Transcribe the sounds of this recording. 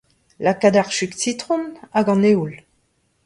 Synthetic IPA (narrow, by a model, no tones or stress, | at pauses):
lakad̪aʁʃyksit̪χɔ̃naɡɑ̃neul